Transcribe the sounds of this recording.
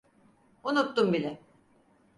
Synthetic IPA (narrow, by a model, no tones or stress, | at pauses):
unut̪ːumbilʲɛ